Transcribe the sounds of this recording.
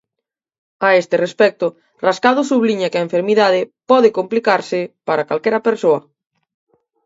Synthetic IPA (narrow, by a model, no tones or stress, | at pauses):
aest̪ɪrespɛk̚t̪ʊ | raskaðʊsuβliɲakɪaeɱfeɾmiðað̞ɪpɔðɪkomplikaɾsɪpaɾakalkɛɾɐpeɾsoɐ